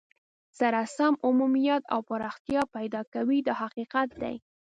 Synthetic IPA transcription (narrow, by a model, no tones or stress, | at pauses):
saɾasamʊmumijat̪a̰wpəɾɑxt̪jɑpajd̪ɑkawid̪əhaqiqat̪̚d̪a̰j